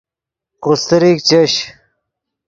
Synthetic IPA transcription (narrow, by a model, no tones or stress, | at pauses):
qust̪əɾik̚t͡ɕeɕ